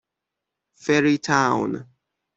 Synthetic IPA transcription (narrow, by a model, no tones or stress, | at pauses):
fɛɹitʰãʊn